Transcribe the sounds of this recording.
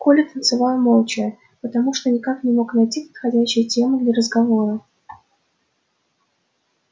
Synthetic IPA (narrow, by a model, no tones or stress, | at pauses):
kolʲɪt̪ənt̪sɨvɑlˠmolˠt͡ɕɪjə | pət̪ɐmuʂt̪onʲɪkaknʲɪmo̞knɐjtʲipət̪xɐdʲæɕːɪjtʲe̞mɨd̪lʲəɾəzɡɐvo̞ɾə